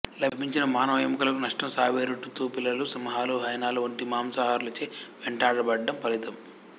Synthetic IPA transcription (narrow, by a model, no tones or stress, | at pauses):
lɐbʱiɲt͡ʃinɐmaːnɐʋɐjmɐkulɐkunɐʂʈɐmsaːʋeːɾuʈːut̪ːuːpilːɐlusɐmɐɦaːluɦɐjnaːluʋɐɳʈimaːmsɐɦaːɾlɐt͡ʃeːʋeɳʈaːɽɐbɐɖːɐmpɐlit̪ɐm